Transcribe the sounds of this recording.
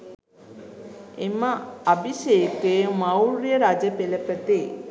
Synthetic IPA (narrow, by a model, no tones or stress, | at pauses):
eməabʱiʃeːkejmɐwɾijəɾad͡ʒəpeləpət̪e